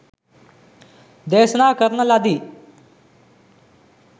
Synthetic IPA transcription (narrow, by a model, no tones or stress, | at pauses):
d̪eːsnaːkəɾnəlad̪iː